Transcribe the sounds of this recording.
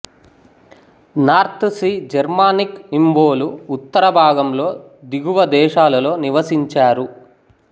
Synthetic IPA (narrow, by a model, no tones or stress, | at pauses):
naːɾt̪sid͡ʒɐɾmaːnikimʋoːluːt̪ːɐɾɐbʱaːɡɐmlo̞ː | d̪iɡuʋɐd̪ɛːʃaːlɐlo̞ːniʋɐsiɲt͡ʃaːɾu